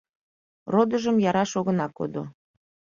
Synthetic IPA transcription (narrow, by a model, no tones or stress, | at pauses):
rod̪əʒəmjɑɾɑʃoɣənɑko̰d̪o̰